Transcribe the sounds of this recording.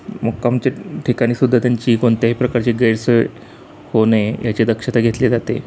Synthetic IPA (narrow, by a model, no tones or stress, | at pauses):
məɡkamt͡ɕeʈʰikaɽ̃iːsud̪ʱːat̪jaɲt͡ɕiːkoɳt̪jaɦipɾəkaɾt͡ɕeɡəjɾsə | honejat͡ɕed̪əkʂət̪aɡʱet̪led͡zat̪ḛ